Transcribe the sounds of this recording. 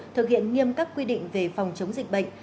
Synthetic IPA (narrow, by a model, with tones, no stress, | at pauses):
t̪ʰɨ˨˩k̚hḭ˧˨ənŋi˧əmkaː˦˥kːwi˧ɗḭ˧˨ŋ̟ve˨˩fa˨˩wŋ͡mt͡ɕə˨˦wŋ͡mzï˨˩k̟̚ɓə̰˧˨ŋ̟